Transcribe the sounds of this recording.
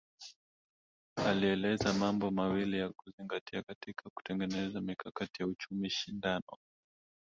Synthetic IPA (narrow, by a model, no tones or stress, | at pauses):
aliɛlɛzamambɔmawilijakuziŋɡatiakatikʰaku̥tɛŋɡɛnɛzamikakatijaut͡ʃumiʃindanɔ̰